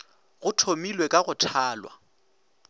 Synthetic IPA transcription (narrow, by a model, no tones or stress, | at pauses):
ɣʊtʰomilwekʼaɣʊtʰaːlwa̰